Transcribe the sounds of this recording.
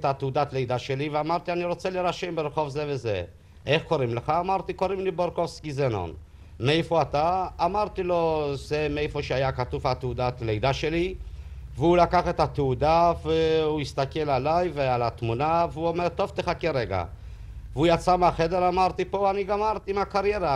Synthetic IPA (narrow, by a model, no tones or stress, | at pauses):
t̪at̪eud̪at̪lejd̪aʃeliveamaʁt̪ianiɾo̞t͡seleʁaʃembeɾeχovzeveze | ʔeχko̞ɾimleχaːmaʁt̪iko̞ɾimliboɾkofskizeno̰n | meejfoat̪aːmaʁt̪ilo̞zemeefoʃeajakat̪ufhat̪eud̪at̪lejd̪aʃeli | veulakaχet̪at̪eud̪aveuist̪akelalajvealat̪munaveuomeʁt̪o̞vt̪eχakeʁeɡa̰ | veujat͡sameaχe̞d̪eɾamaʁt̪ipo̞aniɡamaaʁt̪iimakaʁjeʁa